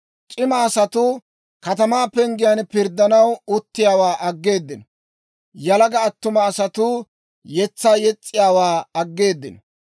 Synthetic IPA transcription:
t͡ʃʼɪmɐːsɐt̪ʊ | kɐt̪ɐmaːpɛŋɡɪjɐnpɪɾd̪ːɐnɐwʊt̪ːɪjaːwaːʔɐɡːe̞ːd̪ːɪnɐ | jɐlɐɡɐːt̪ːʊmɐːsɐt̪ʊ | jɛt͡sːaːjɛt͡sʼːɪjaːwaːɐɡːe̞ːd̪ːɪnɐ

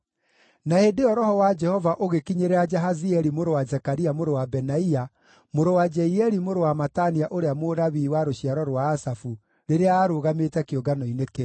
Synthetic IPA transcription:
nahedeɔɾɔhɔwad͡ʒɛhɔvaʔoɣekiɲeɾɛad͡ʒaɦaziɛɾimoɾowazɛkaɾiamoɾowabɛnaia | moɾowad͡ʒɛiɛɾimoɾowamataniaʔoɾeamoɾaβiːwaɾoɕiaɾɔɾwaːsafu | ɾeɾeaːɾoːɣametɛkeoɡanɔineke

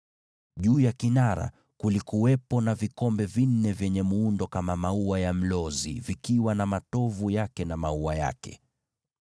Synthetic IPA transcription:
ʄuːjakinaɾa̰ | kulikuwɛpɔnavikɔmbɛvin̩ːɛvjɛɲɛmuundɔkamamauajam̩lɔzḭvikiwanamatɔvujakɛnamauaja̰kɛ̰

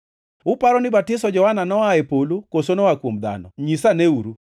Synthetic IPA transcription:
ʊpaɾɔnɪbatɪsɔd͡ʒɔwananɔaepolokosonɔwakwomd̪a̰nɔ̰ɲisaneuɾu

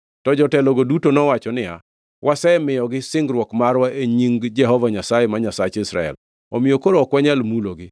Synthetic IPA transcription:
tɔd͡ʒɔtɛlɔɡodutonɔwat͡ʃɔnɪa̰ | wʔasɛɛmɪjɔɡɪsɪŋɡɾwɔkmaɾwaʔeɲiŋɡd͡ʒɛɦɔvaɲasajemaɲasat͡ʃisɾa̰ɛ̰l | ɔ̰mɪjokoɾoːkwaɲalmuloɡɪ

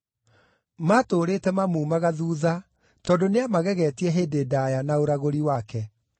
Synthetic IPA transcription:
matoːɾeːtɛmamuːmaɣaðuːða | tɔːndoneamaɣɛɣɛːtiɛɦeːdeːdaːjanaoɾaɣoɾiwakɛ

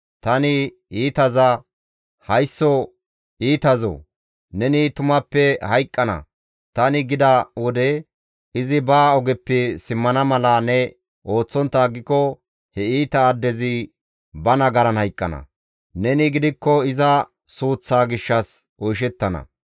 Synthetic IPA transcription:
t̪ɐnɪ | iːt̪ɐzɐ | hɐjsːɔ | iːt̪ɐzɔ̰ | nɛnɪt̪ʊmɐpːɛhɐjkʼːɐnɐ̰ | t̪ɐnɪɡɪd̪ɐwɔd̪ɛ | ɪzɪbaːɔɡɛpːɪsɪmːɐnɐmɐlɐnɛ | ʔo̞ːt͡sːɔnt̪ːaːɡɪkːɔ | hɛiːt̪ɐːd̪ːɛzɪ | bɐnɐɡɐɾɐnhɐjkʼːɐ̰nɐ̰ | nɛnɪɡɪd̪ɪkːɔɪzɐ | suːt͡sːaːɡɪʃːɐs | ʔɔjʃ̬ɛt̪ːɐnɐ̰

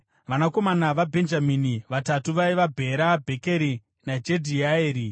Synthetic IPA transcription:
ʋanako̞manaʋabʱe̞nd͡ʒaminiʋatatuʋaiʋabʱe̞ɾabʱe̞ke̞ɾi | nad͡ʒe̞dʱiaeːɾi

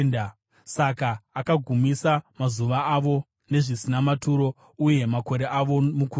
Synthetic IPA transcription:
nda | sakaːkaɡʱumisamazuʋaːʋo̞ | ne̞ʐisinamatuɾo̞ | uje̞mako̞ɾe̞ʔaʋo̞muku

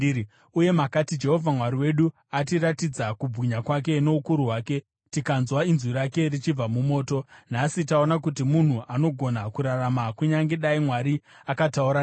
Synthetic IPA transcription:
uje̞makatid͡ʒe̞ɦo̞vʱamwaɾiwe̞ɗu | atiɾatid͡zakubʱiɲakwak̬e̞no̞ukuɾuɦwaːke̞ | tikanzwainziɾake̞rit͡ʃib͡vamumo̞ːto̞n̤asitao̞nakut̬imun̤uʔano̞ɡʱo̞nakuɾaramakuɲaŋɡe̞ɗaimwaɾiakatauɾa

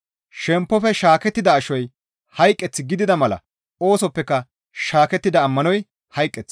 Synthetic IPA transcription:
ʃɛmpːɔfɛʃaːkɛt̪ːɪd̪ɐːʃɔj | hɐjkʼːɛt͡sːɪɡɪd̪ɪd̪ɐmɐlɐ̰ | oːsɔpːɛkːɐ | ʃaːkɛt̪ːɪd̪ɐːmːɐnɔj | hɐjkʼːɛt͡sː

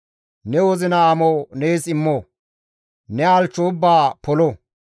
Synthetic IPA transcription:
nɛwɔzɪnɐːmoneːsɪmːoː | nɛaːlt͡ʃːoʊbːaːpɔlɔ

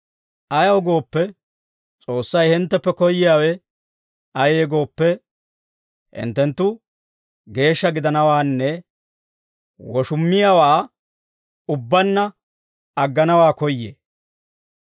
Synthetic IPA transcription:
ʔɐjɐwɡo̞ːpːɛ | t͡sʼo̞ːsːɐjhɪnt̪ːɛpːɛkɔjːɪjaːwɛ | ɐjeːɡo̞ːpːɛ | hɪ̰nt̪ːɛnt̪ːʊ | ɡe̞ːʃːɐɡɪd̪ɐnɐwaːnːɛ | wɔʃʊmːɪjawaː | ʊbːɐnːɐ | ɐɡːɐnɐwaːkɔjːeː

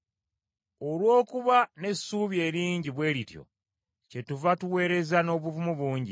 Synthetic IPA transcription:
o̞lwo̞ːkuβane̞sːuːβje̞ːɾiːɲɟiβwe̞ːɾitjo̞̰ | ce̞tuvatuwe̞ːɾe̞zano̞ːβuvumuβuːɲɟi

